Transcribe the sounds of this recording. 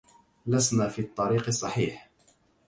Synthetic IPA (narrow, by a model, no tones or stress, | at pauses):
lasnaːfiːt̪ˤːɑɾiːqɨsˤːɑħiːħ